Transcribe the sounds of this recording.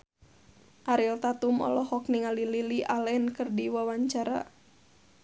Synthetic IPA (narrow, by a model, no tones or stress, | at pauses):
ʔaɾilt̪at̪umɔ̰lɔhɔk̚niŋalililiʔalɛnkɨrdiwawaɲt͡ʃaɾa̰